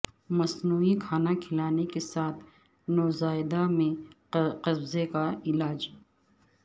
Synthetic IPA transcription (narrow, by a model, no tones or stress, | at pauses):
mɐsnuːikʰaːnakʰɪlaːnekesaːt̪ʰ | noːzaːɪd̪amẽ | qɐbzekaɪlaːd͡ʒ